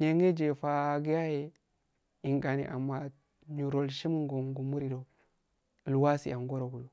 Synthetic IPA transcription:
ɲe˨ŋe˦d͡ʒe˨fa˨ɡi˦ja˦je˨ | i˨ŋɡa˨nḭ˨ʔa˨mːa˨ | ɲu˨ɾo˨lʃi˦m˦ŋɡo˨ŋɡu˨mu˦ɾi˨do˨ | lu˨wa˦sḭ˨a˨ŋɡo˦ɾo˨ɡu˨jo˨

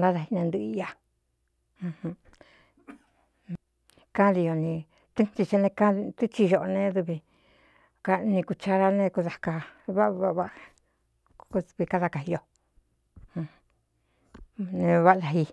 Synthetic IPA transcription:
nd̪ã˦ða˧hi˧nẽ˧nd̪ɨ˧a˧ | hũ˧h | kã˦ði˧jo˧nĩ˧ | t̪ɨ˦t͡ʃi˧t͡ʃe˧nẽ˧kã˦˧t̪u˦t͡ʃi˧ʒo˧ʔnẽ˧ðu˧βi˧ | ka˧nĩ˧ku˧t͡ʃa˧ɾa˧nẽ˦˧ku˧ða˧ka˧βa˦ββa˧ | ku˧βi˧ka˦˧ða˧ka˧˨i˧jo˧ | ũ˧ | nẽ˧βa˦˧ða˧˨ɦi˧

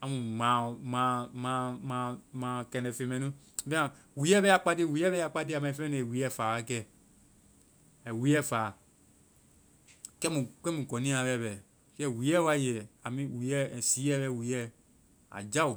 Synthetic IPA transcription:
a˨mũ˨mã˨˦˨mã˨˦mã˨˦mã˨mã˨kɛ˧nɛ̃˨fe˧˨mɛ̃˨nũ˦˨ | bɛ̃˦ã˨ | wi˨˦ɛ˦bɛ˦a˨k͡pa˦te˦˨wi˨˦ɛ˦βɛ˦a˨k͡pa˦te˦a˨mã˨ĩ˨fɛ̃˦ne˨e˨wi˨˦ɛ˦˨faː˨a˦kɛ˦˨ | ɛ˨wi˨˦ɛ˦faː˨ | kɛ˦mũ˨kɛ˦mũ˨kɔ̃˨nĩ˦a˨βɛ˦˨βɛ˨ | kɛ˦˨wi˨˦ɛ˦wa˦jɛ˨a˨mĩ˦wi˨˦ɛ˦˨si˨˦ɛ˦bɛ˧˨wi˨˦ɛ˦ | a̰˨d͡ʒa˦u˨

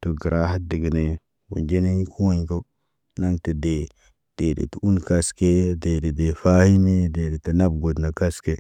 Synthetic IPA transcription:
to˨ɡi˨ɾa˦ha˦di˨ɡi˨ne˨ | wṵ˨nd͡ʒe˦ne˦kʰu˦wa˦ɲko˦ | na˦ŋte˨de˨ | d̥e˨dḛ˨tu˦nka˦ske˦de˨de˨de˨fa˦hi˦me˦de˨de˨ti˨na˦bɡo˨dna˨ka˦ske˦

